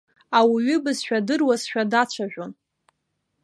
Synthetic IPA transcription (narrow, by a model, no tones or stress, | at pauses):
awiɥʏbɨzʃᶣadɨrwazʃᶣadat͡ɕʷʰaʒᶣʷon